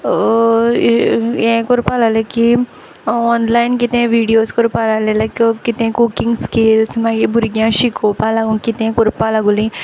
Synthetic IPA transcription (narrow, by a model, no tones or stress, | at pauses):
ẽkoɾpalaleki | ɔnlaːjnkit̪ẽʋiːɖijoːskɔɾpalalẽlɐkokit̪ẽkukiŋɡskelsmaɡibuɾɡjãʃikoːpalaɡũkit̪ẽkoɾupalaɡulĩ